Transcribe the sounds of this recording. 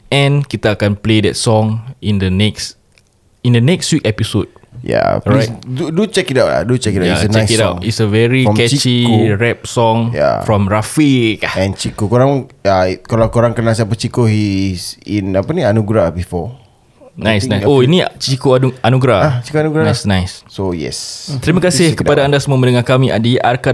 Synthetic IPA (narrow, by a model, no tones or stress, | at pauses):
ʔɛ̃nkit̪aːkanpledɛ̰tsɔ̃ŋĩndənɛks | ĩndənɛkstwikɛpisod̚ja̰lɹadudut͡ʃɛkitawʔla̰dut͡ʃɛkitajasənɛkitaitsəvɛɹikɛt͡ʃiɹɛp̚sɔ̃ŋja̰ffɹɔ̃mɹafikahɛ̃nt͡ʃikokoɾãŋakalawkoɾaŋkənas̬iapət͡ʃikohisinapanĩanuɡɾabifɔ | nnãjsnãjsoinĩt͡ʃikoaanuɡɾaat͡ʃi̥koanuɡɾanasnaɪsːojɛ̰st̪əɾimakasɪhkəpadaandasəmuamə̃ndəŋahkamĩʔa̰diaka